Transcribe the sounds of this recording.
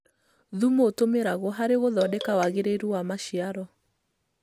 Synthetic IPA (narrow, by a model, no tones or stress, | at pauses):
ðumoːtomeɾaɣɔɦaɾeɣoðɔdɛkawaɣeɾeɾuwamaʃiaɾɔ